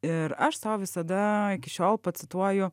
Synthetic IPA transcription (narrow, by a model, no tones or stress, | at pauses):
ɪɾɐʃsɑʊʋʲɪsɐd̪ɐɪkʲɪʃʲoːlˠpɐt̪sʲɪt̪uɔjʊ